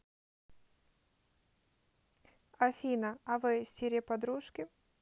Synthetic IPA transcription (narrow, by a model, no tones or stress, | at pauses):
ɐfʲinɐɐvɨsʲeɾʲɪjəpɐd̪ɾuʂkʲɪ